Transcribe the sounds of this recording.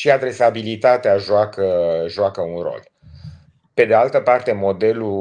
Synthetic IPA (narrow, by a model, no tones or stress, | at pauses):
ʃiad̪ɾe̞sabilit̪at̪eaʒoakəʒoakəunro̞̰l | pe̞d̪ealt̪əpart̪e̞mo̞d̪e̞lu